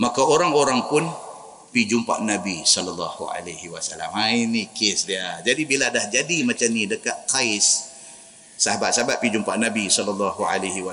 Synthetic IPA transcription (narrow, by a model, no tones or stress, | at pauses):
makaoɾaŋoɾaŋpʊn | pid͡ʒumpa̰ʔnabisɔlɔlːahṵa̰leɦiwasala̰mainikɪsdiad͡ʒadibiladahd͡ʒadimat͡ʃamnidəkat̪̚kaɪsː | aɦabat̪̚saɦabat̪̚pid͡ʒumpaʔnabisɔlɔlːɑɦua̰laɦiwa